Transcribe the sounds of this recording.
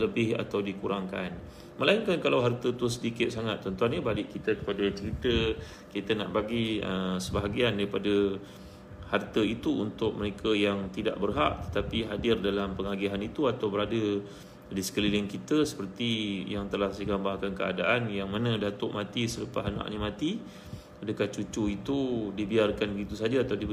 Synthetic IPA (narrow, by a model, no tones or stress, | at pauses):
ləbɪha̰t̪awdikuɾaŋkan | mə̃lainkankalawɦart̪ət̪usədikɪt̪̚saŋat̪ːɔnt̪uanɲabalɪʔkit̪əkə̥padət͡ʃəɾit̪ə | kit̪əna̰ʔbaɡiə̰səbaɦaɡiandaɾipadə | hart̪əit̪uunt̪ʊk̚məɾekʰəjaŋt̪ida̰ʔbərɦa̰ʔt̪ə̥t̪apiɦadɪrdalampəŋaɡiɦanit̪uat̪awbəɾadə | disə̥kəlilɪŋkit̪əsə̥pərt̪ijaŋt̪əlahsəɡambahkankəa̰daʔanjaŋmanə̃dat̪ʊʔmãt̪isələpa̰ɦanã̰ʔɲəmãt̪i | adəkaht͡ʃut͡ʃuit̪udibiarkanbəɡit̪usad͡ʒaːt̪awdi